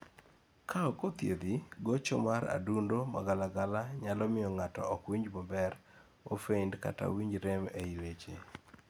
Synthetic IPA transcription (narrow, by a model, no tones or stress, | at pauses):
kʰaɔkot̪jed̪iɡot͡ʃɔmaɾa̰dundomaɡalaɡalaɲalɔmɪɔŋatɔ̰ɔkwiɲd͡ʒmɔbɛɾ | ofeindka̰ta̰wiɲd͡ʒɾɛmeilet͡ʃe